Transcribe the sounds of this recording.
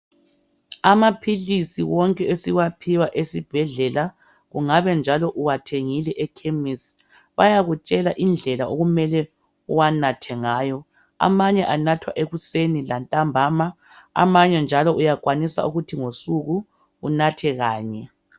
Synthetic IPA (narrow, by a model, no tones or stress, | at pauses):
amapʰilisiwɔŋkʼɛʔesiwapʰiwaʔesib̥ʱɛɮɛla | ɣuŋaβɛnd͡ʒʱalɔʔuwatʰeŋilɛʔɛkʰemis | βajaɣut͡ʃʼɛlaʔind͡ɮʱɛlaoɣumɛlɛ | uwanatʰɛŋaːjɔ | a̰maɲɛʔanatʰwa̰ʔeɣusenilantʼambʱama | a̰maɲɛnd͡ʒʱalɔʔujakʼwanisa̰uɣutʰiŋosuɣu | unatʰɛɣaːɲɛ